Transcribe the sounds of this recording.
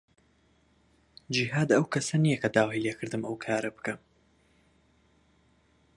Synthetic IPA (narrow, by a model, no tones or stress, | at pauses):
d͡ʒiɦaːd̪ɐwkʰɐsɐnijɐkʰɐd̪aːwijleːkʰɨɾd̪ɨmɐwkʰaːɾɐbɨ̥kʰɐm